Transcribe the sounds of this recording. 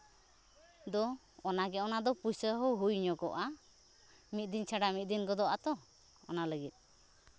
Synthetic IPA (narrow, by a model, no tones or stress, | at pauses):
d̪ɔ | ɔnaɡɛɔnad̪ɔpusəɦəwɦujɲɔkɔʔa | mit̪̚ˀd̪iɲt͡ʃʰaɖamit̪̚ˀd̪inɡɔd̪ɔʔat̪ɔ | ɔ̰naləɡit̪̚